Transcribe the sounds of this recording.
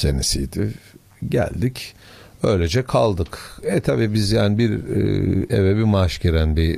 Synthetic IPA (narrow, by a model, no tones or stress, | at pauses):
senisijd̪ɪ | ɟæ̰lʲd̪ic | ø̞̰jlʲed͡ʒɛkʰalˠd̪ɯkɛt̪ʰabiːbizjaːnibiɾ | ɛ̰vɛbimaʃceɾænbi